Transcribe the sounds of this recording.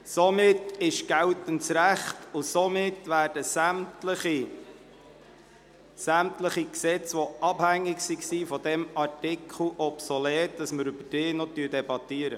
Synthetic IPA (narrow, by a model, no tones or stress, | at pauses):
somɪtɪʃɡ̥æwt̪əntsɾæχtʊsomɪtːʋæːɾd̥əsæmtləχi | sæmtləχiksɛt͡sʋoɑbhæŋːɪksiksiːfɔd̪ɛmɑɾtɪkʰl̩ʔɔpsɔleːt̚d̥ɑsməɾʏbəd̥ɪːnɔt̪yːdɛbɑt̪iəɾə